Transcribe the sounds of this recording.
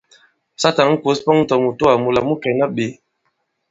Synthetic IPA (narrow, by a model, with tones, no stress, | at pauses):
sa˦ta˨ŋ˦ŋ̩˦ko˨˦spɔ˦ŋ̩˦tɔ˨mu˨to˦a˨mu˨la˨mu˦kɛ˨na˦ɓe˨˦